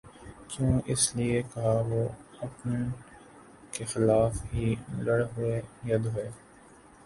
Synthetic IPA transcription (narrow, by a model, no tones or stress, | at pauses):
t͡ʃjõːʔɪsliekɐɦaʋoɐpnən | kexɪlaːfɦilɐɽɦʊejɐd̪ɦʊeː